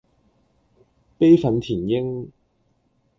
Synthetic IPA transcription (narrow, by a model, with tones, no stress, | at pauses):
pe˥jfɐ˨˥nt̪ʰiː˨˩njɪ˥ŋ